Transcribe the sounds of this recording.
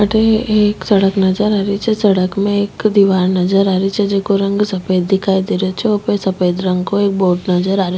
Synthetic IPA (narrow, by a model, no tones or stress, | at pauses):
aʈeeːksɐɽəknɐzəɾaːɾit͡ʃʰɛsəɽəkmẽeːkd̪iʋaːɾnɐzəɾaːɾit͡ʃʰɛd͡ʒeːkoɾə̃ŋɡsɐpeːd̪̚d̪ɪkʰaːid̪iɾet͡ʃʰɛopesɐpeːd̪ɾə̃ŋɡkoeːk̚boːʈnɐzəɾaːɾe